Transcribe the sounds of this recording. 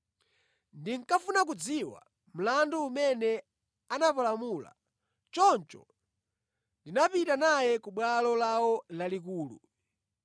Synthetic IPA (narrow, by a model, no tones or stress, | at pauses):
ndiŋ̩kafunak̬ud͡ziwa̰ | m̩landuumɛnɛ | anapalamuːla̰ | t͡ʃɔnt͡ʃɔ̰ | ndinapitanajɛkuɓwalɔlawɔlalik̬uːlṵ